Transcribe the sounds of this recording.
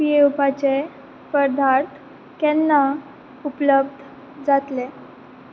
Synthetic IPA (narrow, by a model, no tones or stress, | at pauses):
pieupat͡se | pəɾd̪ʱaɾt̪ | kɛnːa | upləb̚d̪ʱ | d͡zat̪le